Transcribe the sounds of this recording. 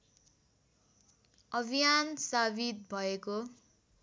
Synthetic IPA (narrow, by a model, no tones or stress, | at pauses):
ʌbʱijansabit̪̚bʱʌeko